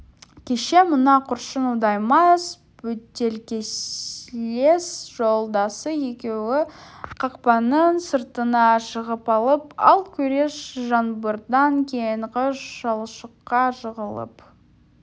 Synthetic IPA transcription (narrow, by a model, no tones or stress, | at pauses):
kʲʰe̞ʃe̞mʊnɑqʰʊɾʃənud̪ɑjmɑs | bɵt̪ːe̞lkʲesle̞sʒ̥o̞lˠd̪ɑsəje̞kʲe̞wɪqʰɑqpɑnənsəɾt̪ənɑʃəʁəpɑlˠəpɑ̰lˠkʲʰɵɾe̞ʃʒɑnbəɾd̪ɑŋkʲʰejɴqʰəʃʒɑlˠʃəqːɑʃəʁəlˠə̰p